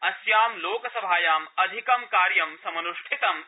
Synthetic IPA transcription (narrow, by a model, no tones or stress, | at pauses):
ɐsjaːmloːkɐsɐbʱaːjaːmɐd̪ʱikɐmkaːɾjɐmsɐmɐnuʂʈʰit̪ɐm